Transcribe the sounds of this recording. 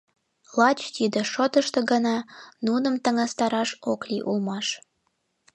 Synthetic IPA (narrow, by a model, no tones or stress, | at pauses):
lɑt͡ɕt̪id̪eʃot̪əʃt̪ə̆ɡənɑnunəmt̪ə̆ŋɑst̪ɑɾɑʃokliʔulmɑʃ